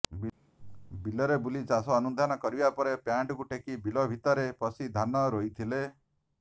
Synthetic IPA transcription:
bilɔɾebulid͡ʒasɔːnud̪ʱanɔkɔɾibapɔɾepjaɳʈɔkuʈʰekibilɔbʱit̪ɔɾepɔsid̪ʱanɔɾoit̪ʰile

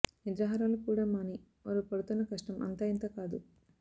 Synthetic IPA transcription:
nid̪ɾaːɦaɾaːlɐkuːɽɐmaːni | ʋa̰ːɾupɐɽut̪unːɐkɐʂʈɐmɐ̰nt̪aːint̪ɐkaːd̪u

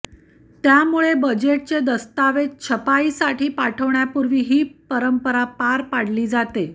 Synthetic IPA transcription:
t̪jamuɭebəd͡ʑeʈ̚t͡sed̪əst̪aʋet̪̚t͡ɕʰəpaisaʈʰiːpaʈʰəʋɳjapuɾʋiːɦiːpəɾəmpəɾapaɾpaɽ̤liːd͡zat̪e

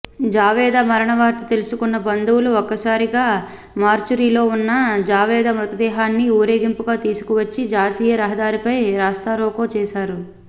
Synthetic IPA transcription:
d͡ʒaːʋɛːd̪amɐɾɐɳɐʋaːɾt̪ɐt̪elusukunːɐbɐnd̪uwuluɔkːɐsaːɾiɡaː | maːɾt͡ʃuɾiːlo̞ːunːɐd͡ʒaːʋɛːd̪amɾut̪ɐd̪ɛːɦaːnːiuːɾe̞ːɡimpuɡaːt̪iːsu̥kuʋɐt͡ʃːid͡ʒaːt̪iːjɐɾɐɦɐd̪aːɾipɐjɾaːst̪aɾoːkoːt͡ʃɛːʃaːɾu

